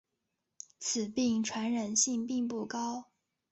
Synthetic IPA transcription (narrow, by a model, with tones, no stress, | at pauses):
t͡s̩ʰ˨˩pi˥˩ŋʈ͡ʂʰwa˧˥nɻə˨˩nɕi˥˧ŋpi˥˧ŋpu˥˩kɑ˥ʊ